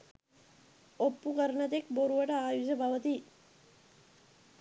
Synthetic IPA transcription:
opːukəɾɳɐt̪ekboɾuʋɐʈəaːjud͡ʒɐbʱɐʋət̪i

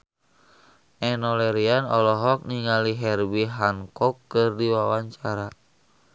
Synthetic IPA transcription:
ʔɛnɔlɛɾianɔlɔɦɔk̚niŋaliɦɛrbiɦaŋkɔkːɨrdiwawaɲt͡ʃaɾa

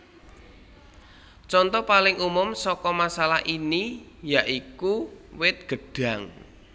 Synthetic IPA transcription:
t͡ʃɔnt̪ɔpalɪŋumʊmsɔkɔmasalahʔini | jaʔikuwɪt̪̚ɡ̥ə̤ɖ̥a̤ŋ

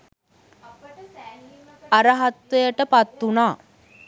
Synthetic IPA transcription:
aɾəɦat̪ʋejəʈəpat̪ːunaː

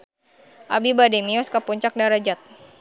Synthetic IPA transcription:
ʔabibademiɔskapɔɲt͡ʃak̚daɾad͡ʒat̪̚

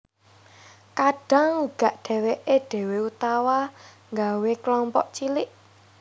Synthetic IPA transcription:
kaɖ̥a̤ŋuɡ̥ä̤ʔɖ̥ɛ̤weʔeɖ̥ɛ̤weut̪awa | ŋɡaweklɔmpɔ̰ʔt͡ʃilɪʔ

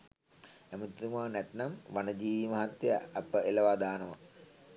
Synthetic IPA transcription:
emut̪ɾumaːnɛt̪nɐmʋanɐd͡ʒiːmɐɦɐt̪jɐ̰ːpəelɐʋaːd̪aːnɐʋɐ̰

